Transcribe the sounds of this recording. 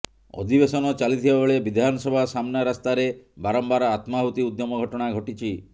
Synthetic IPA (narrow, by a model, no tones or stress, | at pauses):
ɔ̰d̪ʱibesɔnɔt͡ʃalit̪ʰibabeɭebid̪ʱanɔsɔbʱasamnaɾast̪aɾebaɾɔmbaɾɔat̪maɦut̪iud̪jɔmɔɡʱɔʈɔɽ̃aɡʱɔʈit͡ʃʰi